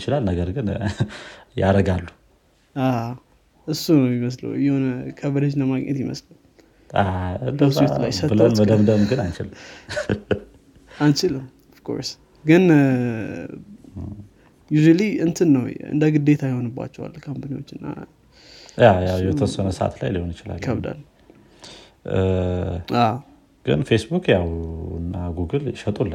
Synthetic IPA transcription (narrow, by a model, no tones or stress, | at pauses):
t͡ʃɪlalnəɡəɾɡɨn | jaɾəɡalːu | a | ʔɨsːunəwjɪməslə̰wjɛhonkʰəβɨɾəd͡ʒnəmaɡɲʔɛ̰t̪jɪmə̰slaw | adəselajsətbɨləd̪əmd̪əmɡɨnant͡ʃɪl | ant͡ʃɪləm | ɔfkʰo̞̰ɾs | ɡɨn | juʒualiɨnt̪ʰɨnːəwɨ̰nd̪əɡɨd̪ːe̞t̪ʰajho̞nɨbːa̰t͡ʃːɛwa̰lkʰampʰaniwo̞t͡ʃːɨnːa̰ | jajawjɛt̪ʰəsənəsəʔa̰t̪la̰jliho̞njɪt͡ʃɪla̰lkʰəβd̪a̰l | a | ɡ̥ɨ̰nfesbukʰjawɨ̰nːaɡuɡɨlʃət̪ʼulːa